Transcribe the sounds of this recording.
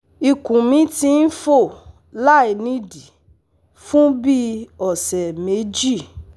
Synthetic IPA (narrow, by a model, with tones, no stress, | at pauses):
i˧kũ˨mĩ˨˦tĩ˧n̩˦fo˦˨ | la˦i˨nĩ˦di˨ | fũ˦bi˦ɔ˨sɛ˨me˨˦d͡ʒi˦˨